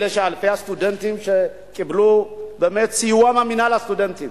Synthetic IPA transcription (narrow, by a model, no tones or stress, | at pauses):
lɛʃaːlfɛjast̪ud̪ɛnt̪imʃɛ | kʼɪblobɛmɛt̪siwamamɪnalast̪ud̪ɛnt̪im